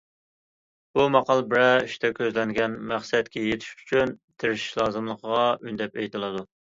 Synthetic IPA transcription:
b̥umɑqɑlˠbɪɾɛyʃt̪ʰɛkʲʰøzlɛŋɡʲɛnmæχsɛt̪kʲʰɛjet̪ʰɪ̥ʃy̥t͡ʃʰynt̪ʰeɾɪʃi̥ʃlˠɑːzɨmlˠəqʰəʁɑynd̪ɛpejt̪ʰɨlˠɨd̪u

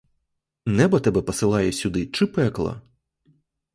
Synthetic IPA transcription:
nɛbɐt̪ɛbɛpɔsɪlˠɑjɛsʲud̪ɪt͡ʂɨpɛklˠɐ̰

